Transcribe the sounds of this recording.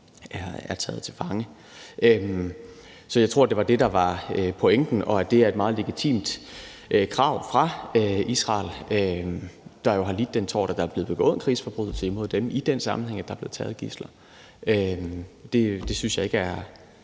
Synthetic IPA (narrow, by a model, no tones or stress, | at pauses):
æɐæɐt͡sʰɛ̰ːð̩ˠt͡sʰe̝lfɑ̈ŋə | ʔøm | sɒ̽jäɪt͡sʰʁo̝ɐ̰d̥e̝ʋɑ̈d̥e̝d̥ɑ̈ʋɑ̈øpʰo̽eŋ̰d̥n̩ʔɒ̽æd̥e̝æɐe̝d̥mɑ̈ːð̞̩ˠle̝ɡ̥it͡sʰḭːmd̥ʔkʰʁɑ̈ʊ̰fʁɑ̈øisʁɑ̰̈ːlø | d̥ɑ̈jo̝ɦɑ̈lid̥̚ːent͡sʰɒ̰ːɾ̥æd̥ɑ̈æɐb̥le̝ːð̩̥ˠe̝ɡ̥ɔ̰ːnkʰʁḭːsfɒ̽b̥ʁuð̩ˠt͡sʰelimo̝ð̞̰ˠd̥emʔid̥ensɑ̈mn̩heŋ̰æd̥ɑ̈b̥le̝ːt͡sʰɛ̰ːð̞̩ˠɡ̥islɐ | ømd̥e̝d̥e̝synsjɑ̈e̝ɡ̥əæɐ